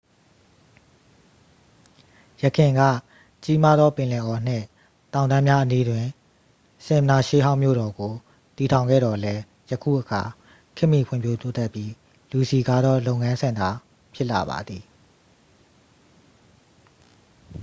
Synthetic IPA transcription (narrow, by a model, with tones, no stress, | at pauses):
jə˨kʰɪ̃˨ŋɡä̰˦˨ | t͡ɕi˦ma˦d̪ðɔ˦pɪ̃˨lɛ˨ʔɔ˨n̥ɪ̰̃˦˨ | tã˨ʊ̃nd̪ã˦mja˦ʔəni˦dwɪ̃˨ | sɪ̃˨m˨na˨ʃe˦ɦã˦ʊ̃mjo̰˦˨ɾɔ˨ɡo˨ | t̪i˨tʰã˨ʊ̃ŋɡɛ̰˦˨ɾɔ˨lɛ˦ | jəkʰṵ˦˨ʔəkʰa˨ | kʰɪ˦ʔmːi˨pʰwʊɪ̃˦˨mpʰjo˦t̪o˦t̪ɛ˦pji˦ | lu˨si˨ɡa̰˦˨d̪ɔ˦lõ˦˨ʊ̃ŋã˦nsʰɪ̃˨nd̪a˨ | pʰjɪ˦ʔla̰˨ba̰˨d̪ði˨